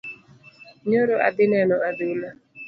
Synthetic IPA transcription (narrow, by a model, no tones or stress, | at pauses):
ɲoɾoʔa̰d̪ɪnɛnɔadɪla